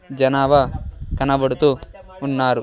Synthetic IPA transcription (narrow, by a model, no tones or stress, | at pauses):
d͡ʒɐnaːʋɐkɐnɐbɐɽut̪u | unːaːɾu